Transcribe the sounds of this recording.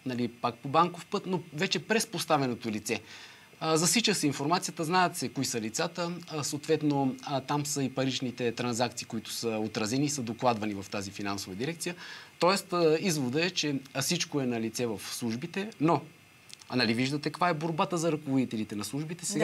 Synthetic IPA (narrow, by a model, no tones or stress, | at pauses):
nɐlipak̚pobaŋkofpɤt̪novɛt͡ʃɛpɾɛspost̪avɛnot̪olit̪sɛ | zɐsit͡ʃəsɛinfoɾmat̪sijət̪əznaɛt̪sɛkoisəlit̪sat̪əsoːt̪vɛt̪not̪amsəipɐɾit͡ʃnit̪ɛt̪ɾɐnzak̚t̪siːkoit̪ʊ̥səot̪ɾɐzɛniːsəd̪oklˠad̪vɐnivɐft̪azifinansovəd̪iɾɛk̚t̪sijət̪ɔɛst̪əizvod̪əɛt͡ʃɛsit͡ʃkoɛnɐlit̪sɛvɐfslˠuʒbit̪ɛno | nɐliviʒd̪ət̪ɛkkvaɛboɾbat̪əzɐɾɐkovod̪it̪ɛlit̪ɛnɐslˠuʒbit̪ɛsɛɡa